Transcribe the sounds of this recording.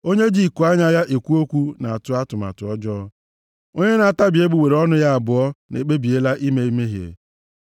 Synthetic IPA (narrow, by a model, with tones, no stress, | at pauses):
o˦ɲe˦d͡ʒi˦˨ku˨a˦ɲa˦ja˦ʔe˨kʷu˦o˦kʷu˦na˨a˨tʊ˦a˦tʊ˨ma̰˨tʊ˨ɔ˦d͡ʒɔː˦ | o˦ɲe˦na˨a˨ta˦bi˨e˦bu˨we˨ɾɔ˦nʊ˦ja˦a˨bʊ˨ɔ˦nḛ˨k͡pe˦bi˨e˦la˦ʔi˦me˦i˦me˦ɦjḛ˨